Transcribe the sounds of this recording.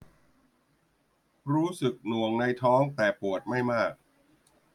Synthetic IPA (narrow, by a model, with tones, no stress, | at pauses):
ɾuː˦˥sɯ˨˩k̚nu˨˩əŋna˧jt̪ʰɔː˦˥ŋt̪ɛː˨˩pu˨˩ət̪̚ma˥˩jmaː˥˩k̚